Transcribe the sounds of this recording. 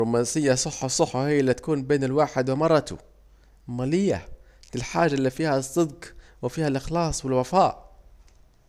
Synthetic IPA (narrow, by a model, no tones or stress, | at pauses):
uːmansɪjːasˤʊħːʊsˤʊħːʊhɪjːʔɪlːit̪ḁkuːnbeːnɪlwaːħɪd̪wɪmɑrˤːɑt̪ʊ̰ | maːlɪjːa̰ | lɪlħaːd͡ʒːaʔlːiːfiːhasˤːɨd̪qwɪfiːhalʔɪxlɑːsˤwɪlwafaːʔ